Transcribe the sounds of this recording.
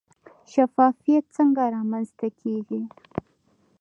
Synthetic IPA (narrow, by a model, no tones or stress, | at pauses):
ʃafɑfijat̪̚t͡səŋɡaɾɑmanzt̪akʰeɡi